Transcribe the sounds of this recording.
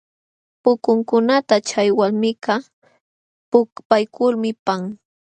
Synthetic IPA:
pʊkʊŋkʊnat̪at͡ʃajwalmɪkɑ | pʊpajkʊlmɪpaŋ

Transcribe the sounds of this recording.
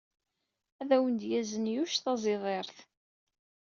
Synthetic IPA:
æðæwənd̪jæzənjuʃθɑzˤɪðˤeɾˤθ

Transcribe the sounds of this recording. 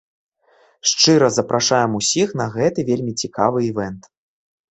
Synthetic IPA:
ʂt͡ʂɨɾɐzɐpɾʔaʂajɛmusʲixn̪ɐɣɛt̪ɨvʲelʲmʲit͡sʲikavɨivɛnt̪

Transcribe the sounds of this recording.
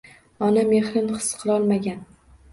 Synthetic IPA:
ɒnamehɾɪnχɨ̥sqʰɨlˠɒlˠmaɡʲan

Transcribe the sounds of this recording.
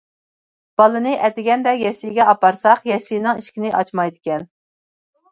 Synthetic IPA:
b̥ɑlˠɨnɨʔɛt̪ɪɡʲɛnd̪ɛjɛsijɡʲɛʔɑpɑɾsɑqjɛsijnɨŋiʃkʲinɪʔɑt͡ʃmɑjd̪ɪkʲɛn

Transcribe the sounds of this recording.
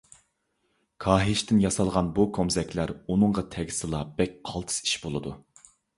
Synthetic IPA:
kʰɑːɦɪʃt̪ɪnjɑsɑlˠʁɑnbukʰomzɛkʲlæɾunɨɴʁɑt̪ʰɛɡʲisɨlˠɑbɛk̚ʲqʰɑlˠt̪ʰɨ̥si̥ʃbolˠɨd̪u

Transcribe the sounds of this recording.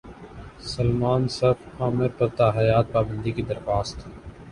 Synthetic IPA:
sɐlmaːnsɐfaːmɪɾpɐɾt̪aːɦɐjaːt̪̚paːbə̃nd̪ikid̪ɐɾxaːst̪ʰeː

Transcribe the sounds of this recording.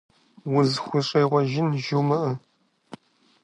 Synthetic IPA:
wʊzxʷʊɕʼejʁʷɔɐʒɪnʒuwmɐʔɨ

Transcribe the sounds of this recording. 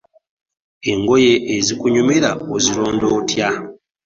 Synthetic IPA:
e̞ŋɡo̞je̞ʔːzikuɲumeɾaozilo̞ːndo̞ːtja

